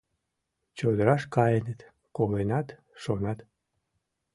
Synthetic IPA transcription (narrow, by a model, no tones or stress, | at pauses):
t͡ɕod̪əɾɑʃkɑjənet̪ | kolenɑt̪ | ʃonɑt̪